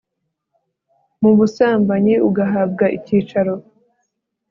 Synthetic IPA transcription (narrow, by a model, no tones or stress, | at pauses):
mumusaːmbaɲiuɡaɦab̚ɡaʔiciːt͡ʃaɾo̞